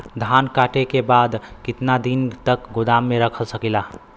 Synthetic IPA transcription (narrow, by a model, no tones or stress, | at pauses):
d̪ʱankaʈekebad̪kit̪nad̪int̪əkɡod̪amːeɾəkʰəlsəkila